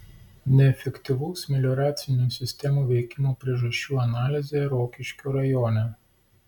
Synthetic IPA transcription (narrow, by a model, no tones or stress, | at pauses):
nʲɛɛfʲɛkʲt̪ʲɪʋuːsmʲɪlʲɔɾɑːt̪sʲɪnʲuːsʲɪsʲt̪ʲɛmuːʋʲɛɪkʲɪmoːpʲɾʲiɛʒɐʃʲt͡ʃʲuːɐnɑːlʲɪzʲeːɾoːkʲɪʃʲkʲoːɾɐjoːnʲɛ